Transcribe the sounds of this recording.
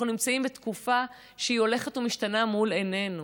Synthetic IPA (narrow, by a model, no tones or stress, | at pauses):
nunimt͡saimbet̪kufa | ʃeio̞le̞χetumiʃtanamulene̞nu